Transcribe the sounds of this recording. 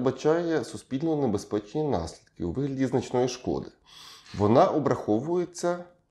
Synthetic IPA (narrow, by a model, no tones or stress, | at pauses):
bɐt͡ʃɑjɛsʊspʲilʲnɔnebespɛt͡ʃenʲinɑ̰sʲlʲid̪̚kɪuʋɪɦlʲɐdʲiznɐt͡ʃnɔjiʃkɔ̰d̪ɪ | ʋɔnɑʔɔbɾɐxɔʋʊjet͡sʲːɐ